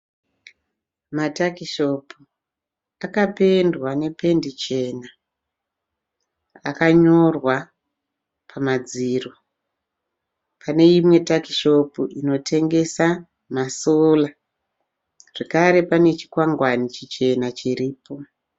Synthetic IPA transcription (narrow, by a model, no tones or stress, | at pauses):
matakiʃo̞pu | akape̞ndwane̞pe̞ndit͡ʃe̞ːna | a̰kaɲo̞rwa | pʰamad͡ziːro | pʰane̞imwe̞takiʃo̞puʔino̞tʰe̞ŋɡe̞sa | maso̞la | ʐ̥ekaɾe̞pane̞t͡ʃi̥kwaŋɡwanit͡ʃit͡ʃe̞nat͡ʃiriːpo̞